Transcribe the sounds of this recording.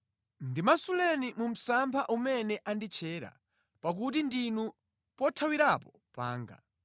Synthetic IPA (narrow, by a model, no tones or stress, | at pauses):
ndimasulɛnimum̩sampʰaʔumɛnɛʔandit͡ʃʰɛːɾa̰ | pak̬utindinu | pɔtʰawiɾapɔ | pa̰ːŋɡa̰